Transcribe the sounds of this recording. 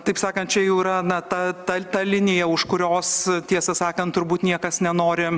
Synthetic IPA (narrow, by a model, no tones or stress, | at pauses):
t̪ɐɪpsɑːkɐnt̪̚t͡ʃʲɛjɛʊɪɾɐnɐt̪ɐt̪ɐt̪ɐlʲɪnʲɪjɛʊʃkʊɾʲoːst̪ʲiɛsɐsɑːkɐnt̪ʊɾbuːt̪nʲiɛkɐsnʲɛnoːɾʲɪ